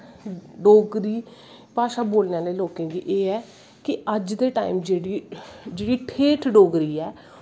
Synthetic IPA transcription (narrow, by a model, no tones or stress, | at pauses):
ɖoːɡɾiː | paːʃaːboːlnjãːleːloːkẽːɡḭːʔeːɛː | kɪəd͡ʒd̪eːʈa̰ːḭːmd͡ʒeːɽiːd͡ʒeːɽiːʈʰeːʈʰɖoːɡɾiːɛː